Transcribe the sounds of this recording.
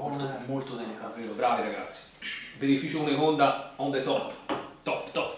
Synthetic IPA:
od̪molt̪od̪ɛlikavːeːɾobɾaːviɾaɡa̰t̪sːi̥benifiːt͡ʃuunekond̪aɔnd̪et̪ɔpːt̪ɔpːt̪ɔpː

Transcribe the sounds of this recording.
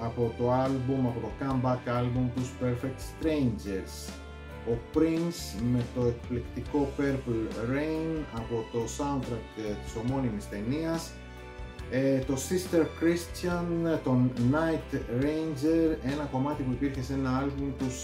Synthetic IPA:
ɐpo̞t̪o̞ɐlbumɐpo̞t̪o̞kɐmbɐkɐlbumt̪uspeɾfek̚t̪st̪ɾejnd͡ʒeɾs | o̞pɾinsme̞t̪o̞e̞kplekt̪iko̞pe̞ɾplɾejnɐpo̞t̪o̞sɐnt̪ɾɐk̚t̪t̪i̥so̞mo̞nimist̪e̞niɐs | t̪o̞sist̪eɾkɾist̪ɐnt̪o̞nɐjt̪ɾejnd͡ʒe̞ɾe̞nɐko̞mɐt̪ipuipiɾçe̞se̞nɐɐlbumt̪us

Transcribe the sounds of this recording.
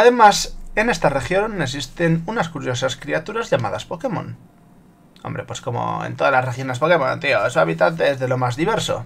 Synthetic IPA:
aðe̞mase̞ne̞st̪are̞xjo̞nes̬ist̪e̞nunaskuɾjo̞saskɾiat̪uɾazʝama̰ðaspo̞ke̞mõ̞̰n | o̰mbɾe̞pwe̞sko̞mo̞̰ḛnt̪o̞ðalarexjo̞nespo̞ke̞mo̰nt̪ioesua̰βit̪ant̪̬eezðe̞lo̞mazðiβe̞ɾso̞̰

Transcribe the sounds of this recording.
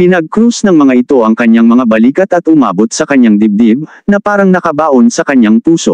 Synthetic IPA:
pɪnɐɡ̚kɾusnɐŋmɐŋaʔɪt̪o̞ʔɐŋkɐɲaŋmɐŋabɐliːkɐt̪ɐt̪ʔʊma̰ːbot̪̚sɐkɐɲːaŋd̪ɪb̚d̪ɪb̚nɐpaːɾɐŋnɐkɐbaːʔonsɐkɐɲaŋpuːso̞̰ʔ

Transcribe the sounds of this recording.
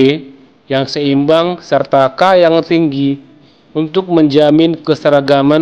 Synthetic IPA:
jaŋsəimbaŋsərt̪akajaŋt̪iŋɡi | unt̪ʊk̚məɲd͡ʒamɪnkəsəɾaɡama

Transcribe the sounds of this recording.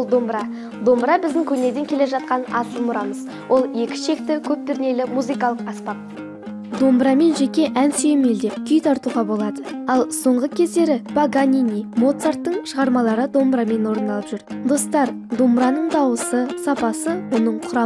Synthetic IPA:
lˠd̪o̞mbɾɑ | d̪o̞mbɾɑbɪzd̪ɪŋkʲʰɵne̞d̪eŋkʲʰe̞le̞ʒɑt̪̚qɑnɑt̪əlmʊɾɑməz | wʔo̞lˠje̞kʲɪ̥ʃe̞k̚t̪ɪkʲʰɵp̚t̪ɪɾɪne̞lɪmuzɨjkɑlˠəqɑspɑt̪̚ | d̪o̞mbɾɑme̞nʒe̞kʲe̞ʔænsejme̞ld̪e̞pkʲʰʏjt̪ʰɑɾt̪uʁɑbo̞lˠɑd̪əɑlˠso̞ɴʁəkʲʰe̞zd̪e̞ɾɪb̥aɡanʲinʲimo̞t̪sart̪ːəɴʃəʁɑɾmɑlˠɑɾəd̪o̞mbɾɑme̞nwo̞ɾənd̪ɑlˠəpʒ̥ʏɾd̪o̞st̪ɑɾ | d̪o̞mbɾɑnəɴd̪ɑwəsəsɑpɑsəwo̞nəɴqʰʊɾɑ

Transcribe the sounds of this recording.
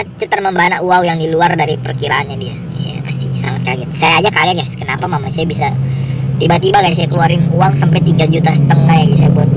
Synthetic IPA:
at͡ʃət̪ərməmbanauawjaŋdiluardaɾipərkiɾaːnɲadia̰ | ja̰past̪ɪsaŋat̪̚kaɡɛrsajaːd͡ʒakaɡɛrɡaskənapamamasajabisadibaat̪ibakajasajakəluaɾɪnuaŋsampɛt̪iɡad͡ʒut̪asə̥t̪əŋajaɡisajabuat̪̚

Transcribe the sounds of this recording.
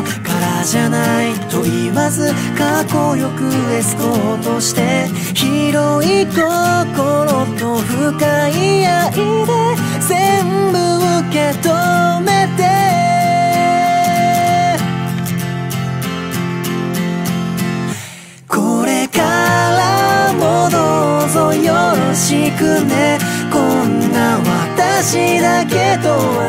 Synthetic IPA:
kaɾaʑanait̪o̞iβazɨ | kako̞jo̞kɯ̟esɨ̥kot̪o̞ɕi̥t̪e̞ | çiɾoik̪o̞koɾot̪o̞ɸɯ̟kaijaʔid̪e | zẽmbɯ̟ɯke̞t̪ome̞t̪e | kʰoɾe̞kaɾamonozojoɾoɕikɯnekoŋːaβat̪aɕid̪ake̞d̪o

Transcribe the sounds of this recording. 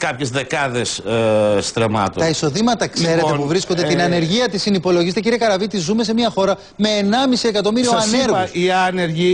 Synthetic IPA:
kɐpçezðekɐðesst̪ɾemɐ̰t̪ot̪ɐiso̞ðimɐt̪ɐkse̞ɾe̞epuvɾiskond̪et̪inɐne̞ɾʝiɐt̪isinipo̞loʝizset̪eciɾiekɐɾɐvit̪izume̞s̬e̞miɐxo̞ɾɐ | me̞ːnɐmisie̞kɐt̪o̞miɾioɐne̞ɾɣuiɐneɾʝi

